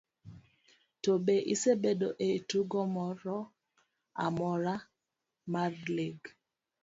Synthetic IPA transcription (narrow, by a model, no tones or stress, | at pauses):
tobeʔisebedoʔetuɡɔmɔɾɔ | a̰mɔɾa | maɾleɡ